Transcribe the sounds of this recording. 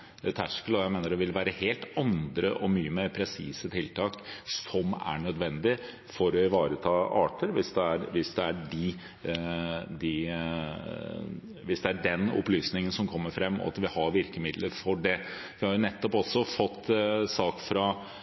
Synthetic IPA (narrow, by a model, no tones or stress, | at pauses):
t̪ʰæʂkəlɔjæɪmeːnəɾdɛʋɪlʋæːɾəheːlt̪ɑnd̪ɾəʔɔmyːəmeːɾpʰɾɛsiːsət̪ʰɪlt̪ʰɑːksɔmæ̰ɳœd̪ʋɛnd̪ɪ | fɔɾɔɪʋɑːɾət̪ʰɑːɑ̰ːʈəɾʋɪsd̪ɛæɾʋɪsd̪ɛæɖɪ | d̪ɪ | ʋɪsd̪ɛæɖɛnɔ̰plyːsnɪŋənsɔmkʰɔmːəɾfɾɛmːɔ̰ɑ̰t̪ʋɪhɑɾʋɪɾkəmɪd̪ləɾfɔɖɛ | ʋɪhɑɾʊnɛt̪ːɔpɔsːɔfɔt̪ːsɑːkfɾɑ